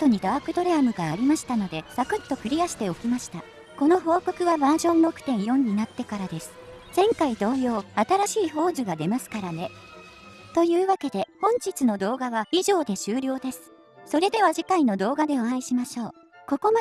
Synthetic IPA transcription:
t̪ːo̞ɲ̟id̪aakɯ̟d̪o̞ɾeamɯ̟ɡaːɾʲimaɕi̥t̪ano̞d̪e̞sakɯ̟t̪ːo̞kɯ̟ɾʲiaɕi̥t̪e̞o̞kʲimaɕi̥t̪a | ko̞no̞ɦo̞ːko̞kɯ̟βabaːʑõ̞mbo̞kɯ̟̥t̪ẽ̞ɰ̃jõ̞ɲ̟ːinat̪ːe̞kaɾad̪e̞sɨ̥ | d͡zẽ̞ŋkaid̪o̞ːjo̞ːat̪aɾaɕiːɦo̞ːzɨɡad̪e̞masɨ̥kaɾane̞ | t̪o̞jɯ̟ːβake̞d̪e̞hõ̞ɲ̟d͡ʑit͡sɨno̞d̪o̞ːɡaβaiʑo̞ːd̪e̞ɕɨːɾʲo̞ːd̪e̞sɨ̥ | so̞ɾe̞d̪e̞β̞aʑikaino̞d̪o̞ːɡad̪e̞oãiɕimaɕo̞ː | ko̞ko̞ma

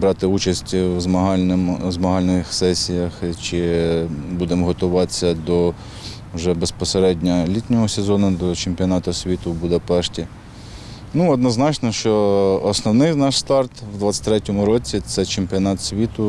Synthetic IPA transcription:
bɾɑt̪ɪut͡ʃɐsʲtʲwzmɐɦɑnmzmɐɦɑlʲnɪxsɛsʲijɐxt͡ʃɪ | bud̪emɦɔt̪ʊʋɑ̥sʲɐd̪ɔ | wʒɛbespɔseɾɛdʲnʲɐlʲit̪ʲnʲɔɦɔsezɔnʊd̪ɔt͡ʃempʲiɔnɑt̪ʊsʲʋʲit̪ʊbud̪ɐpɛʃtʲi | nuɔd̪nɔznɑt͡ʃnɔʃt͡ʃɔːsnɔwnɪjnɑʃst̪ɑrt̪wd̪ʋɑt̪sʲɐ̥t̪ʲɾɛtʲɔmʊɾɔt͡sʲit̪sɛt͡ʃempʲiɔnɑt̪sʲʋʲit̪ʊ

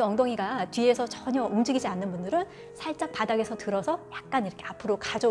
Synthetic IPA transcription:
ɯʌŋdoŋiɡatɥie̞sʰʌt͡ɕʌɲʌumd͡ʑiɡid͡ʑianːɯnbundɯɾɯn | sʰaɭt͡ɕ͈ak̚padaɡe̞sʰʌtɯɾʌsʰʌjak̚k͈aniɾʌkʰe̞apʰɯɾokad͡ʑo

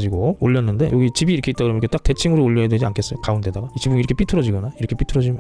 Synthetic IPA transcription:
d͡ʑiɡooʎːʌnːɯnde̞̰joɡit͡ɕibiːɾʌkʰeit͈akɯɾʌiket͈ak̚te̞t͡ɕʰiŋɯɾooʎːʌɦedwe̞d͡ʑiankʰe̞s͈ʌjokaunde̞daɡait͡ɕibuŋiɾʌkʰep͈itʰɯɾʌd͡ʑiɡʌnaiɾʌkʰep͈itʰɯɾʌd͡ʑim

